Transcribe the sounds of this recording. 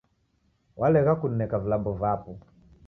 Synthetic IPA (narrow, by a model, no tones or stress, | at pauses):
wʔalɛɣakun̩nɛkavilabɔvapɔ